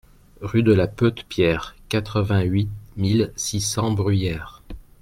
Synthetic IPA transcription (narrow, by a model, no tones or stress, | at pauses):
ʁyd̪əlapøt̪pjɛʁkat̪χəvɛ̃ɥimilsisɑ̃bʁyjɛːʁ